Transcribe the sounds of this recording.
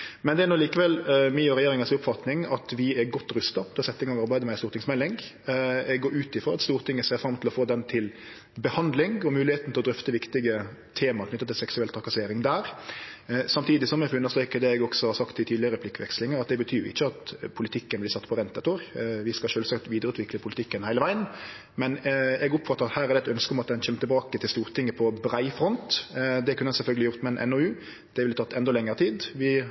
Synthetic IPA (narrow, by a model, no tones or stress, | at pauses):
mɛnd̪ɛæːɾnuːliːkəʋɛlmɛjøːɾɛjeːɾɪŋɑsʊpːfɑt̪nɪŋɑt̪ʋɪɛɾɡɔt̪ːɾʉst̪ɑt̪ɛɑsɛt̪ːɪŋɑɔɡɑɾbæɪd̪əmɛɪnsuːɾt̪ʰɪŋsmɛlːɪŋ | ɛɡɡoːʉːt̪ɪfɾɔɾɑt̪st̪uːɾt̪ʰɪŋːəseːɾfɾɑmt̪ɪlɔfoːd̪ɛnt̪ʰɪl | bəhɑnd̪lɪŋɔmʉːlɪheːt̪n̩ʰɪlɔd̪ɾʏft̪əʋɪkt̪ɪɡə | t̪ʰeːmɑɾkʰnʏt̪ːɑt̪ʰɪlsɛksʉɛlt̪ʰɾɑkɑseːɾɪŋd̪æːɾ | sɑmt̪ʰiːd̪ɪsɔmɛfʉnːəʁst̪ɾeːkəd̪ɛɛɡɔɡsɔhɑɾsɑkt̪ʰːɪt̪ʰiːd̪lɪəɾəpʰlɪkːʋɛ̰kslɪŋəɑt̪̚d̪ɛbət̪ʰyːɾɪ̰çːəɑt̪pʰʊlɪt̪ʰɪkːənblɪsɑt̪ːpʰɔʁɛnt̪ɛt̪ɔɾʋɪskɑʃøːlsɑkt̪ʋiːd̪əɾʉːt̪ʋɪkləpʰʊlɪt̪ʰɪkːənhæɪləʋæɪən | mɛnɛɡʊpfɑt̪ːəɾɑt̪hæːɾæʁd̪ɛt̪œnskəɔmɑt̪̚d̪ɛnçɛmːət̪ʰɛbɑːkət̪ʰɪlst̪uːʁt̪ʰɪŋːəpʰɔbɾæɪfʁɔnt̪d̪ɛkʰʉnːəsɛlfœlɡəlɪʊʁt̪mɛnʔɛ̰nɔʉː | d̪̥ɛʋɪlət̪ʰɑt̪ːʰɛnd̪ɔlɛŋːəɾət̪ʰiːd̪ʋɪ